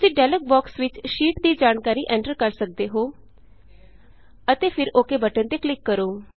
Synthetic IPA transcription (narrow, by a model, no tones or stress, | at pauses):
siːɖɛːlək̚bɔːksʋɪt͡ʃʃiːʈd̪iːd͡ʒaːnkaːɾiːʔɛ̃ːɳʈəɾkəɾsək̚d̪eːɦoː | ət̪eːpʰɪɾoːkeːbəʈənt̪eːklɪkːəɾoː